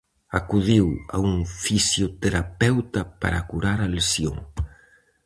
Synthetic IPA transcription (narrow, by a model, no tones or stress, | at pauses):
akuðiwa̰uŋfisjot̪eɾapɛwt̪apa̰ɾakuɾaɾalesjo̰ŋ